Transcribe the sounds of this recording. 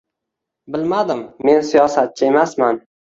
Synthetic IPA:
bɪlmad̪ɪmːe̞nsijɒsat̪̚t͡ʃʰae̞masman

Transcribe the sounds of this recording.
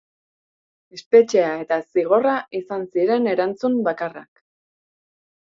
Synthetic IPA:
e̞spe̞t͡ʃeae̞t̪asiɣ̞o̞raʔisansiɾe̞ne̞ɾant͡sumbakara̰k

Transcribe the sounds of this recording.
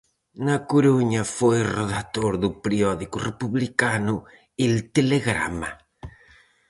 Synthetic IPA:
nakuɾuɲafojroðat̪oɾðupɾiɔðikurepuβlikanu | elt̪eleɣɾa̰ma̰

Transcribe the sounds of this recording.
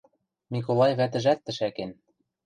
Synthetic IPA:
mik̬olɑjβæt̪̬ɘ̆ʒæt̪ːɘ̆ʃæken

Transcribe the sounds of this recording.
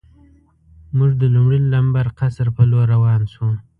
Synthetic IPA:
muʐd̪əlumɽilambaɾqasɾpəloɾawɑnʃu

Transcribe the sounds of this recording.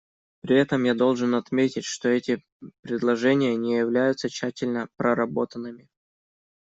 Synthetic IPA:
pɾʲɪɛt̪əmjad̪o̞lˠʐɨnɐt̪mʲetʲɪtʲʂt̪o̞ɛtʲɪ | pɾʲɪd̪lˠɐʐɛnʲɪjənʲɪjɪvlʲæjʊt̪sət͡ɕːætʲɪlʲnəpɾəɾɐbo̞t̪ənːɨmʲɪ

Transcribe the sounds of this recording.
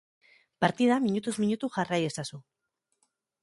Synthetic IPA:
paɾt̪iðamiɲut̪uzmiɲut̪uʝaraje̞sasu

